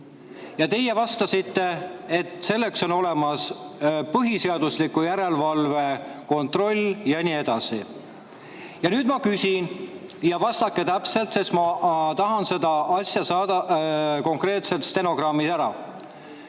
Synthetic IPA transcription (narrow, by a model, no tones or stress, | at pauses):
jɑt̪e̞je̞vɑst̪ɑsit̪ːe̞et̪ˑse̞lːekso̞no̞le̞mɑspɤɦise̞ɑd̪̥uslikːˑujæɾe̞lvɑlve̞ko̞nt̪ro̞lʲjɑnie̞d̪̥ɑsi | jɑnyːd̪̥mɑkysʲin | jɑvɑst̪ɑkːe̞t̪æpse̞lt̪sesmɑt̪ɑɦɑnse̞d̪ɑʔɑsʲjɑsɑːd̪̥ɑko̞ŋkre̞ːt̪se̞t̪st̪e̞no̞ɡ̥rɑmːisæɾɑ̰